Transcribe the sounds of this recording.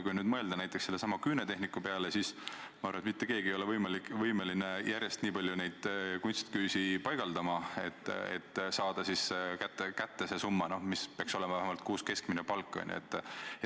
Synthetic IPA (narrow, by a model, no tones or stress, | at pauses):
kujnyːd̪̚mɤe̞ld̪ɑnæjt̪ːˑekse̞lːesɑmɑkyːnet̪e̞ɦnikːˑupe̞ɑle̞sis | mɑɑrvɑet̪mit̪ːeke̞ːɡiejo̞le̞vɤjmɑlikːvɤjmelinejʔæɾʲjest̪niːpɑlʲjune̞jd̪̥kunt̪st̪kyːsipɑjɡ̥ɑld̪ɑmɑe̞t̪ːˑḛt̪ːˑsɑːd̪̥ɑsiskæt̪ːˑekæt̪ːese̞sumːɑnomispeɑkso̞lemɑvæɦemɑlt̪̚kuːske̞skminepɑlkːˑo̰nj̰et̪ːˑ